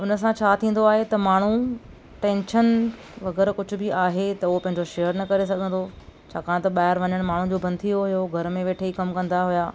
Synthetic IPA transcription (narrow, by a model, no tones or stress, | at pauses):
ʊnə̆s̬ãt͡ɕʰaːt̪ʰĩːn̆d̪oaːɦet̪ɐmaːɳ̤u | ʈẽːnʃən | ʋɐɣɛːɾkʊd͡ʑʱʊbʱɪaːɦet̪ɐʊɦopɐ̃ɦɪ̃ɲd͡ʑoʃejəɾnɐkɐɾesɐɡʱə̃nd̪ot͡ɕʰaːkãːɽ̃t̪ɐɓaːɪɾʋɐɲəɽ̃maːɳ̤ũd͡ʑoːbɐ̃nd̪ʰioɦʊjoɡʱɐɾmẽʋeːʈʰeikɐmkɐ̃nd̪aɦʊjaː